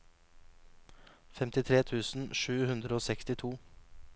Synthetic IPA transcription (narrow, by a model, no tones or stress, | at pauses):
fɛmt̪ɪt̪ʰɾeːt̪ʰʉːsn̩ʃʉːhʉnd̪ɾəoːsɛkst̪ɪt̪ʰuː